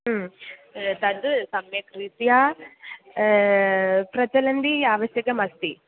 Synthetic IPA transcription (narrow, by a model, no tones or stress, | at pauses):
m | t̪ɐnd̪ɨsɐmjɐkɾit̪ijaː | pɾɐt͡ʃɐlɐnd̪iaːʋɐsjɐkɐmɐst̪i